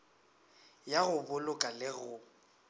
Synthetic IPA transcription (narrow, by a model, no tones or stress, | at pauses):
jaɣʊbʊlʊkʼalɪɣʊ